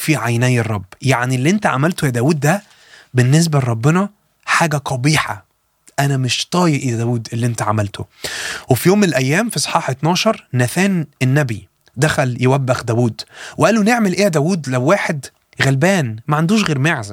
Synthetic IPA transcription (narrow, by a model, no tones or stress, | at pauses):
fiʕajnæːjerˤːɑbːjaʕnilːiːʔent̪æʕa̰mælt̪ohjæd̪æːwuːd̪̚ːæ | benːes̬bæɾˤɑbːenɑ | ħaːɡæq̪ɑbiːħɑ̰ | ʔænæmeʃt̪ˤɑːjeʔejæd̪æːwuːd̪ʔelːiʔent̪æʕa̰mælt̪ʰowefijoːmːenelʔæjːæːmfisˤħɑːħet̪nɑːʃɑɾˤnæθæːnʔenːæbi | d̪æxæljewæbːæxd̪æːwuːd̪weʔæːlːuneʕmelʔeːd̪æːwuːd̪læwwaːħed̪ | ɣælbæːnmæʕand̪uːʃɣeːɾmeʕzæ